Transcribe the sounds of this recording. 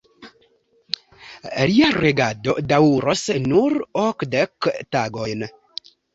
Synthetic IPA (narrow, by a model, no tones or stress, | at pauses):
liaɾeɡadodauɾosnuɾokdektaɡojn